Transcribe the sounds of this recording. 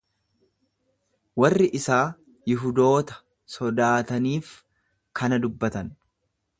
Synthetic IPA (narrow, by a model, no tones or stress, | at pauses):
wɐrːɪʔɪsaː | jɪɦʊd̪o̞ːt̪ɐ̥ | sɔd̪aːt̪ɐniːf | kʰɐnɐd̪ʊbːɐt̪ɐn